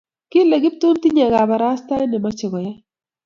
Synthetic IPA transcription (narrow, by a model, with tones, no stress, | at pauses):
kɪ˦le˨ɡɪ˦p̚t̪ʊ˦nt̪i˦ɲe˨ɡa˨ba˨ɾa˦sta˦ɪ˦nɪ˨ma˦t͡ʃɪ˨ɡɔ˨ja˦